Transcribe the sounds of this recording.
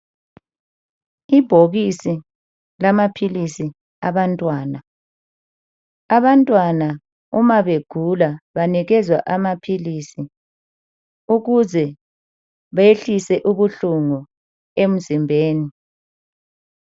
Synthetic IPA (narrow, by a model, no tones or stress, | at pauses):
ib̥ʱoɣisi | lamapʰilisi | aβantʼwaːna | aβantʼwana | umaβeɡ̥ʱulaβaniɣɛzwa̰ʔamapʰilisi | uɣuzɛ | βaeɬisɛʔuβuɬuŋu | em̩zimbʱeːni